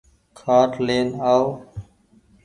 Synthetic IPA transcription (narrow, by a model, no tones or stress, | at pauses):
kʰaːʈleːnaːo